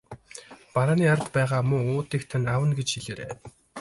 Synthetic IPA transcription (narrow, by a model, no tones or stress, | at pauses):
paɾaːniːaɾ̆t̪pæːʁaːmʊŋʊːt̪iːkt̪ʰanawə̆nɡet͡ɕxiɮeːɾḛː